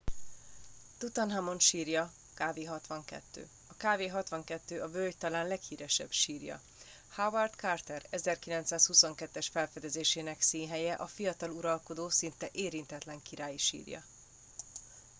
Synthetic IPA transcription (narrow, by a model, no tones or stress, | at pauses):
t̪ut̪ɒnɦamo̞nʃiːrjɒ | kaːveːɦɒt̪ʋɒŋkɛ̰t̪ːø̰ː | ɒkaːveːɦɒt̪ʋɒŋkɛt̪ːøːʔɒbølɟt̪ɒlaːnlɛkhiːɾɛʃɛ̰b̥ʃiːrjɒ̰ | havɛrt̪kart̪ɛɾɛzɛrkilɛnt̪saːshuso̞ŋkɛt̪ːɛʃfɛlfɛd̪ɛzeːʃeːnɛksiːnɦɛjɛʔɒfijɒt̪ɒluɾɒlko̞d̪oːsint̪ɛʔeːɾint̪ɛt̪lɛŋkiɾaːjiʃḭːrjɒ̰